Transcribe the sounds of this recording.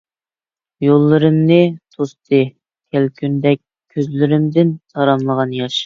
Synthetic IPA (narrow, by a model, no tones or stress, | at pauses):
jolˠːɨɾɨmnɨt̪ʰost̪ʰɨ | kʲʰɛlkʲʰynd̪ɛk̚ʲʰːøzlɪɾɪmd̪ɪnt̪ʰɑɾɑmlˠəʁɑnjɑʃ